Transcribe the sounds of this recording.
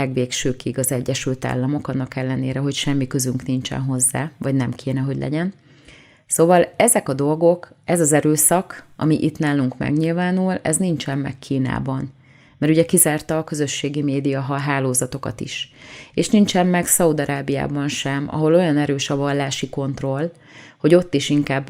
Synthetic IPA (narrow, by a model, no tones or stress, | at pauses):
ɛɡʋeːkʃøːkiɡɒzɛɟːɛʃylt̪a̰ːlːɒmo̞kɒnːɒkɛlːɛneːɾɛɦo̞cʃɛmːikø̞zyŋknint͡ʃɛ̰nɦo̞zːa̰ːvɒɟnɛmkʰeːn̪ɛɦo̞ɟlʔɛ̰ɟɛn | soːvɒlɛzɛkɒd̪o̞lɡo̞kɛzɒzɛɾøːsɒkɒ̰miʔit̪naːluŋkmɛ̰ɡɲilvaːnulɛ̰znint͡ʃɛmːɛ̰kːʰiːn̪a̰ːbɒn | mɛɾuɟɛkizaːrt̪ɒːkø̞zø̞ʃːeːɡimeːd̪ijɒɦɒɦaːloːzɒt̪o̞kɒ̰t̪ḭʃeːʃnint͡ʃɛmmɛksɒud̪ɒɾaːbija̰ːbɒnʃɛmɒ̰ɦo̞lo̞jɒnɛɾøːʃɒvɒlːaːʃiko̞nt̪ro̞l | ho̞ɟo̞t̪ːiʃiŋkaːbː